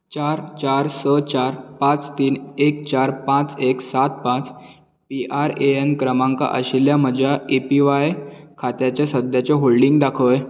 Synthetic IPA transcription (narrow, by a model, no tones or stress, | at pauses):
t͡ɕaɾt͡ɕaɾsət͡ɕaɾpãt͡st̪iːnek̚t͡ɕaɾpãt͡seksat̪̚pãt͡s | piʔaɾeenkɾəmãŋka̰ʔə̰ɕiljaməd͡ʑʱjaepiʋajkʰat̪jat͡ɕjasəd̪jat͡ɕeɦolɖiŋɡd̪akʰəj